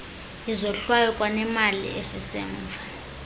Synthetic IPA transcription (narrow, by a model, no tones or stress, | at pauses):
izɔɬwajɔkʼwanɛmalḭʔesisɛ̰ːɱvʱa